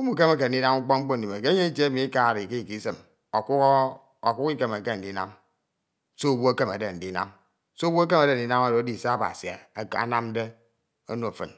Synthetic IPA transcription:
o˦mu˦˨ke˦me˦k̬e˨n̩˨i˦na˦mu˦k͡pɔ˦ŋ͡m̩˦k͡po˦n̩˨i˨me˨ke˦ɲe˦i˦te˦e˦mi˨i˦ka˦˨ɾi˨ke˦i˨ki˨˦sɨ˨m | o˨k | o˨kʷu˦ki˦ke˨me˨ke˦n̩˨di˦na̰˦m | so˦˨bo˦a˦ke˦ma˨de˨n̩˨di˦na̰˦m | so˦wu˦a˦k̬e˦ma˨de˦n̩˨i˦na˦ma˦ddi˦˨sa˦˨ba̰˨si˨a̰˨a̰˦na˦m˦de˦ | o˦no˨fɨ̰˨n

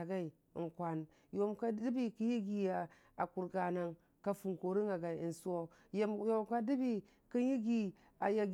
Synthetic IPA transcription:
a˨ɡa˦ḭ˨ | ŋkʷa˨n | jo˦mka˦di˦bi˦ki˦ji˦ɡi˨ja˨ | a˨ku˨ɾɡa˨na˨ŋ | ka˨fu˨ŋko˨ɾi˦ŋa˨ɡa˨i˨i˨nsu˦o˦ | ja˦mjo˦mka˦di˦bi˦ | kə˦ji˦ɡi˦ | a˨ja˨ɡ

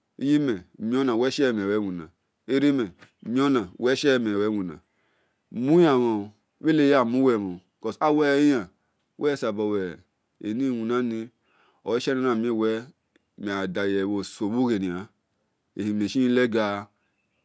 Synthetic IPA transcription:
i˦ji˦mɛ˨mi˦o˦na˨wɛ˦ʃɛ˦˨m˨e˨wɛ˦wu˨nã̰˨ | e˦ɾi˦mɛ˨˦mĩ˦o˦nã˨wɛ˦ʃɛ˦˨me˨wɛ˨˦wu˨nã̰˨ | mu˦ja˨ma˨˦ | we˦le˦ja˦˨mũ˦wɛ˨mõ˨kɔ˦˨sa˦wɛ˦i˦ja˨˦ | wʔɛ˦sa˨bo˨wɛ˨ | ḛ˨nĩ˦˨wu˨nã˦ni˧ | o˨˦ʃɛ˦ni˦nã˨mi˦˨wɛ˦ | mi˨a˨da˨jɛ˨wo˨so˨bu˦ɣe˨ni˨a˨ | e˨hi˨me˨i˦i˦lɛ˦ɡa˨˦

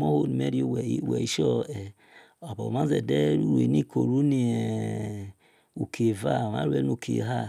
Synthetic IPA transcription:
mo˦ho˦ni˨mɛ˦ɾi˦o˦˨wɛ˨i˦˨wɛ̰˨i˦ʃɔ˦ɛ˨ | o˨bɔ˨ma˦zɛ˨dɛ˦ɾu˦ɾu˨ḛ˨ni˦kʰo˨ɾu˦ni˨ɛ˨ | u˨kʰe˨va˦˨ma̰˦ɾu˦ɛ˦nu˨kʰḛ˨ɦa˦˨

